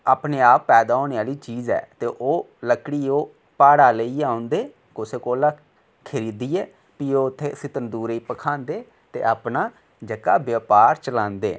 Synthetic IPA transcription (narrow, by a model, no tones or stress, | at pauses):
aːpneːaːpːɛːd̪aːoːneːaːliːt͡ʃiːzɛ̰ːt̪eːʔoː | ləkɽiːoː | paːɽaːləiːãːʊ̃nd̪eː | kʊseːkoːlaː | kʰɪɾiːd̪iːɛː | piːoːʊt̪ʰːeːsɪt̪ənd̪uːɾiːpəkʰãːnd̪eː | t̪ḛːʔaːpnaː | d͡ʒəkaːbjəːpaːɾt͡ʃəlãːnd̪ḛː